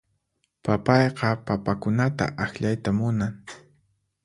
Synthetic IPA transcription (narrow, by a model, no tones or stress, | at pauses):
papɑjqɑpapakʊnat̪a̰ʔaxʎajt̪amʊnaŋ